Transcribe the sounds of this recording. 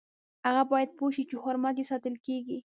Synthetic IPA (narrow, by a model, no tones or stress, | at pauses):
haɣabɑjad̪̚poʃit͡ʃexoɾmak̬esɑt̪əlkeɡi